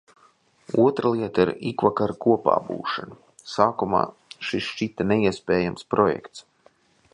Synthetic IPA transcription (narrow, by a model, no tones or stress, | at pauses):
uɔt̪ɾalˠiɛt̪aiɾikvakaɾkuɔpa̰ːbṵːʃan | saːkuma̰ː | ʃisʃt͡ʃit̪aneiɛspʲɛːjamspɾɔjɛ̰kt̪s